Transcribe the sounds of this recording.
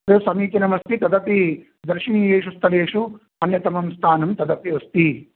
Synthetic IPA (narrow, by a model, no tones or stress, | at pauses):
ɐsɐmiːkɐnɐmɐst̪it̪ɐd̪ɐpi | d̪ɐɾʂiniːjeːʂust̪ʰɐleːʂu | ɐnjɐt̪ɐmɐmst̪ʰaːnɐmt̪ɐd̪ɐpiʋɐst̪i